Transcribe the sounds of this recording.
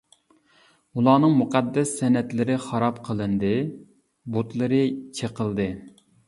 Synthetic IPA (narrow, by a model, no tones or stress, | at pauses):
ulˠɑːnɨŋmuqʰɑd̪ːɛsːɛnɛt̪lɪɾɪχɑɾɑpqʰəlˠɨnd̪ɨ | bot̪lˠɨɾɨt͡ʃʰeqʰəlˠd̪ɨ